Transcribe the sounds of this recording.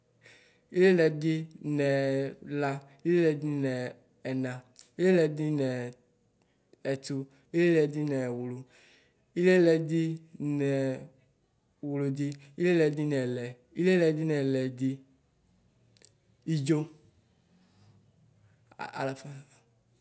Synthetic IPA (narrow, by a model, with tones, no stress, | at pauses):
i˦le˦lɛ˨d̪i˦nɛ̃˨la˦ | i˦le˦lɛ˨di˦nɛ̃˨ | ɛ˨nã˨i˦le˦lɛ˨d̪i˦nɛ˨ | ɛ˨t̪u˦ | i˦le˦lɛ˨d̪i˦nɛ˨wu˨lu˨ | i˦le˦lɛ˨d̪i˦nɛ˨ | wu˨lu˨d̪i˦ | i˦le˦lɛ˨d̪i˦nɛ̃˨lɛ˨ | i˦le˦lɛ˨d̪i˦nɛ̃˨lɛ˨d̪i˦ | i˦d͡ʒo˦˨ | a̰˨la˨fa˦˨